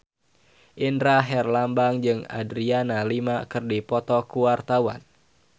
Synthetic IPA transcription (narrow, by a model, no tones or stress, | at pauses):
ʔindɾaɦɛrlambaŋd͡ʒɨŋa̰dɾianalimakɨrdipɔt̪ɔkuwart̪awan